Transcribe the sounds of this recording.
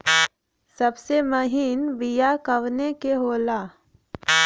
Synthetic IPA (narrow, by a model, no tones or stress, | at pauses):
sɐbsemɐɦiːnbijakəʋnekeɦoːlaː